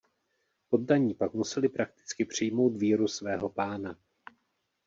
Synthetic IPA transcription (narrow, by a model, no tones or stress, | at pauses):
po̞ddaɲiːpakmusɛlɪpɾak̚t̪ɪ̥t͡skɪpr̝̥ɪjmo̞wt̪viːɾusvɛːɦo̞paːna